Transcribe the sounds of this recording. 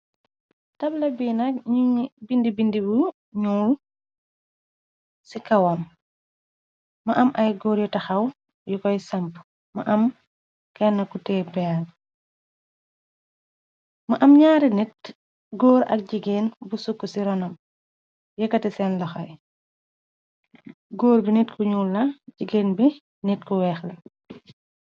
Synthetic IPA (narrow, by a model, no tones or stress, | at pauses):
tɐblɐbiːnɐkbindibindibu | ɲul | sikɐwɐm | ɐʔɐmʔɐjɡɔːɾjɔtɐxɐw | jukɔjsɐmp | mɐʔɐm | kɛnːɐkutɛːpɛa | mɐʔɐmɲaːɾinɛt̚ | ɡɔːɾɐ̰k̚ɟiɡeːnbusukːusiɾɔnɐm | jɛkːɐtisɛnlɐxɐ̰j | ɡɔːɾbinitkʰuɲuːlːɐɟiɡeːnbi | nitkuwɛːxlɐ